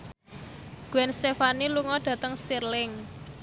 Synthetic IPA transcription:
ɡ̥uɛnst̪efaniluŋɔɖ̥ä̤t̪əŋst̪irlɪŋ

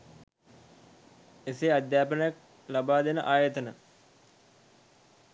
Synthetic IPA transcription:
esead̪jaːpənəjak̚ | labaːd̪enəʔaːjət̪ənə

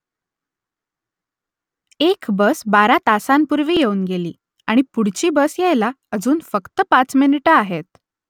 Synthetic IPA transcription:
ekbəsbaɾat̪asampuɾʋiːjeuːnɡelḭː | aɽ̃ipuɽ̤t͡ɕiːbəsjajla | əd͡zuːnfəkt̪əpat͡sminiʈəaɦet̪̚

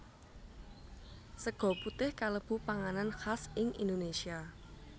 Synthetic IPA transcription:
səɡ̥ɔ̤put̪ɪhkaləb̥ṳpaŋananxasɪŋḭnd̪onesia

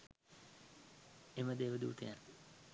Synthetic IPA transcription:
eməd̪eːʋəd̪ṵːt̪ḛjan

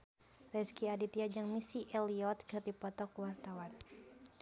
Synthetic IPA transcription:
rɛskiadit̪iad͡ʒaŋmisiʔɛliɔt̪̚kɨrdipɔt̪ɔkuwart̪awan

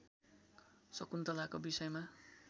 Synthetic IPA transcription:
sʌkunt̪ʌlakobisʌjma

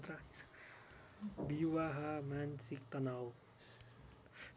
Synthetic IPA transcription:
t̪ɾa | biwaɦamansik̚t̪anaw

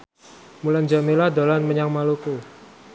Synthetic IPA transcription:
muland͡ʒamelahdalanməɲaŋmaluku

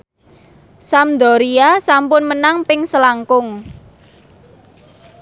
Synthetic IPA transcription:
samd̪ɔɾiasampʊnmənaŋpɪŋsəlaŋkʊŋ

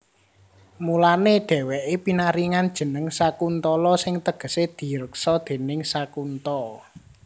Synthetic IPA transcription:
mulaneɖ̥ɛ̤wɛʔepinaɾiŋand̥ʒ̥ə̤nəŋsakunt̪ɔlɔsɪŋt̪əɡ̥ə̤sed̪̥i̤ɾəksɔd̪̥e̤nɪŋsakunt̪ɔ

